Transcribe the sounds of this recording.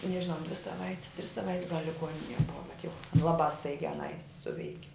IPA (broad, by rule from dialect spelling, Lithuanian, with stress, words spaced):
nʲɛʒʲɪˈnɐʊ dʲʋʲɪ sɐˈʋɐɪtʲs tʲrʲɪs sɐˈʋɐɪtʲs ɡɐlʲ lʲɪˈɡuɔnʲɪnʲiɛ ˈbʊʋɐ bʲɛt jɛʊ ˈlˠɑːbɑː ˈstɐɪɡʲæː ɐˈnɐɪ ˈsʊʋʲɛɪkʲɪ